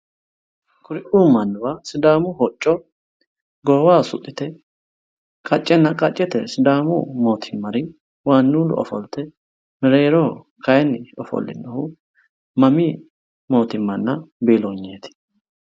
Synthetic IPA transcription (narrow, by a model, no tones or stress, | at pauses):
kʰʊɾɪʔuːmɐnːʊwasɪd̪aːmʊhɔt͡ʃʼːɔ | ɡɔwaːsʊt̪ʼːɪt̪ɛ | kʼɐt͡ʃʼːɛnːɐkʼɐt͡ʃʼːɛt̪ɛ̰sɪd̪aːmʊ̰mo̞ːt̪ʰɪmːɐɾɪ | waːnːuːlʊ̰ɔ̰fɔ̰lt̪ɛ | mɪɾeːɾɔ | kʰɐjɛnːɪɔfɔ̰lːɪ̰nːɐhʊ | mɐmi | mo̞ːt̪ɪmːɐnːɐbeːloɲːeːt̪ɪ̥